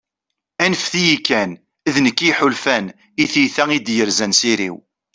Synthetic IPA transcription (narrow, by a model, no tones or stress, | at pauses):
ænəfθijikːæn | ðnəkːiħʊlfæn | iθiθæŋid̪jəɾzænsiɾḭw